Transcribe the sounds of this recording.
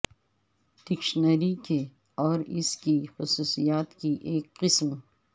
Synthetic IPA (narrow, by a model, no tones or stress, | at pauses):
ɖ̥ɪkʃnəɾike | ɔːɾɪskixʊsuːsijaːt̪kiʔeːkqɪsm